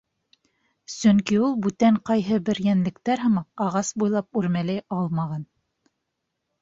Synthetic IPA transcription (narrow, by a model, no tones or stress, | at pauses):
sɵŋkiulˠbʉt̪æɴqɑjɦɤbɘ̆ɾjænlɘ̆kt̪æɾɦɤ̆mɑqɑʁɑsbujlˠɑp̚ʉɾmælæjɑlˠmɑʁɑn